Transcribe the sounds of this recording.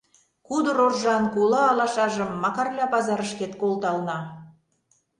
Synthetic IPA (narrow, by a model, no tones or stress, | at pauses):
kud̪ɤ̆ɾorʒɑnkulɑːlɑʃɑʒə̆mːɑkɑrlʲɑpɑzɑɾəʃket̪̚kolˠt̪ɑlnɑ